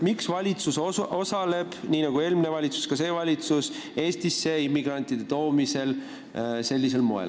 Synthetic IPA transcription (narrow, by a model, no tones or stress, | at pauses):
miksvɑlʲit̪susoo̞sɑle̞b̥niːnɑɡ̥ue̞ːlmine̞vɑlʲit̪su̥skɑse̞ːvɑlʲit̪sus | e̞ːst̪isːe̞imːiɡ̥rɑnʲt̪id̪̥e̞t̪o̞ːmise̞l | se̞lʲːis̬e̞lmo̞ḛl